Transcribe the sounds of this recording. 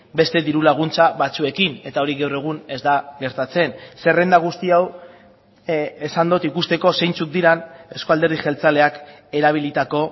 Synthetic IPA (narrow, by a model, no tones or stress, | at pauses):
be̞st̪e̞ðiɾulaɣ̞unt͡saβat͡sue̞kine̞t̪ao̞ɾiɣawre̞ɣ̞une̞zd̪aɣe̞ɾt̪at͡se̞nsere̞nd̪aɣ̞ust̪iaw | esand̪ot̪ikust̪e̞ko̞se̞jnt͡suk̚d̪iɾane̞skoald̪e̞ɾðixe̞lt͡sale̞ak | e̞ɾaβ̞ilit̪ako̞